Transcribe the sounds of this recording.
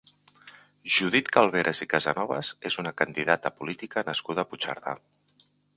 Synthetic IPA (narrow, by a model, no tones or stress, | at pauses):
ʒuðit̪kalˠβ̞eɾʔəzikazənɔβ̞ə̰zezunəkənd̪iðat̪əpulit̪ikənəskuðəːput͡ʃa̰ɾða̰